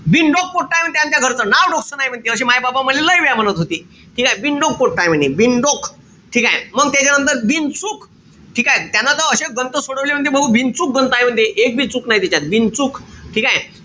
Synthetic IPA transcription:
ʋinɖok̚poʈ̚ʈːajmənt̪ejant̪̬jaɡʱəɾt͡sənaʋɖɔksənaɦjm̤əɳt̪eəɕemajbabaməd̪leləjʋjamənət̪ɦot̪iː | ʈʰiːkajeʋiɳɖok̚poʈ̚ʈːajm̤əɳeʋinɖok | ʈʰikajeməɡt̪jat͡ɕjanənt̪əɾʋint͡suːk | ʈʰikajet̪janːat̪əəɕeɡənt̪əsoɽəʋljaməɖd̪jebəɦuʋint͡suːk̚ɡənt̪aɦjm̤əɳd̪ʱjeʔek̚bint͡suːknaɦjt̪it͡ɕat̪̚ʋint͡suːkʈʰikaj

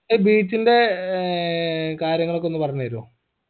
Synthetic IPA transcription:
ebiːt͡ɕːinde̞ | kaːɾjɐŋːɐɭo̞kːeo̞nːupɐrɐɲːɐɾo̰ː

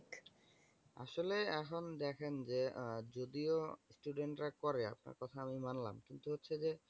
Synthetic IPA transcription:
a̰ʃoleɛkʰond̪ɛkʰend͡ʑed͡ʑod̪iosʈuɖeɳʈɾakɔɾea̰p̚na̰ɾkɔt̪ʰaamimanla̰mkint̪uɦotːɕʰed͡ʑe

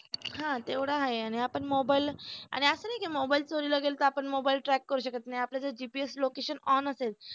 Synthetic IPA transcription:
ɦãt̪eʋɽ̤aɦaeaɽ̃iapəɳmobaila̰ɽ̃iəsənajkamobailt͡soɾiləɡelt̪əapəɳmobailʈɾækːəɾuɕəkət̪naiapljat͡sad͡ʑipieslokeɕənɔnəsel

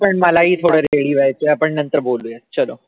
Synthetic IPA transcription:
pəɳməlaɦiːt̪ʰoɽəɾeɭiːʋajt͡seapəɳnənt̪əɾboluːjet͡ɕəlo

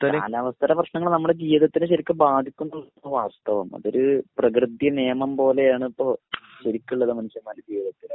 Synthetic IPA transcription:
laːʋɐst̪ʰɐɾɐprɐɕnɐŋːɐɭnɐmːuɽed͡ʑiːʋɐðɐt̪ːinɨɕɐɾikʲːɨbaːd̪ʱikʲːunːɐ | oʋaːst̪ɐʋɐmɐ̰ðo̞ɾuprɐk̬rɨd̪jɐneːmɐmpo̞ːle̞jaːɳɨipːo̞ː | ɕɐɾikʲːuɭːɐðɨmɐnuɕjɐmaːlukiːʋiðɐt̪ːin

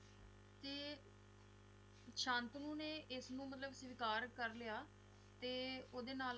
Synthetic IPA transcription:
t̪eː | ʃãːnt̪nũːneːʔɪsnũːmət̪ləbsʋɪkaːɾkəɾlɪjaː | t̪eːoːd̪eːnaːl

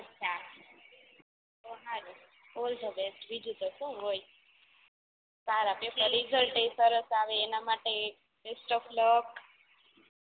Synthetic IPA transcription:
ətːʃʰa | onaɾu | kold̪obesʈbid͡ʒʱut̪osũɦoj | saɾapefəlid͡ʒʱəlʈesəɾəsaʋeːnamaʈe | pesʈofʰlɔk

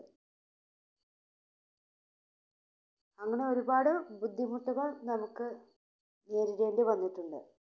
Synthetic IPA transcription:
ɐŋːɐɳe̞o̞ɾubaːɽɨbud̪ʱːimuʈːuɣɐɭnɐmukːɨ | ne̞ːɾiɾe̞ːndɨʋɐnːiʈːuɳɖɨ̰

